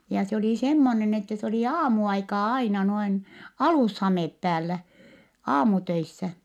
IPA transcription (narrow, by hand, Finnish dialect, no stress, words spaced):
jɑ se oli semːonen etːæ se oli ɑːmuɑikɑː ɑinɑ noin ɑluˑshɑmeˑp pæːlːæ ɑːmutøisːæ